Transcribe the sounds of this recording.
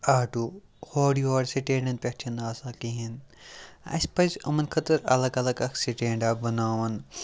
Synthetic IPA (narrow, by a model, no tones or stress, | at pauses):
aːʈuː | hoːɖioːɽsiʈẽːɳɖɐnpʲek̚t͡ʃʰɐnaːsaːkiɦin | a̰sʲpɐzɐmɐnkʰɐt̪ɐɾɐ̰lɐɡɐlɐɡɐksiʈeːɳɖaːbɐnaːʋɐn